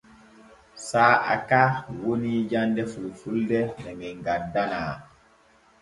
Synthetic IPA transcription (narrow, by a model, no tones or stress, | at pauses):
saːa̰kaːwonid͡ʒandɛfulfuldɛhɛmɛŋɡadːanaː